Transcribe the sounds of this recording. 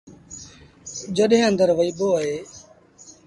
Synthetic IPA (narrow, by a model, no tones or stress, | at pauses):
d͡ʒəɗɦẽːənd̪əɾʋəiːɓoːəɦeː